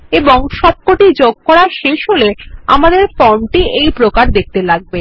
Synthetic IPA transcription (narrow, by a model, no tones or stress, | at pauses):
eboŋʃɔb̚koʈid͡ʑoɡ̚kɔɽaʃeʃɦolea̰mad̪eɾfɔnʈiejpɾokaɾd̪ek̚t̪elaɡ̚be